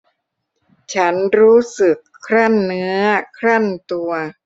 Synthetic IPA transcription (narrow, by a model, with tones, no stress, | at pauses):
t͡ɕʰa˦˥nɾuː˦˥sɯ˨˩kʰːɾa˥˩nːɯ˦˥ɐkʰɾa˥˩nt̪u˧ɐ